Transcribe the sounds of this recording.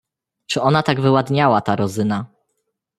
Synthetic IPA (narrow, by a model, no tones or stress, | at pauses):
t͡ʂɘʔɔnat̪aɡvɘwad̪ɲawat̪aɾɔzɘna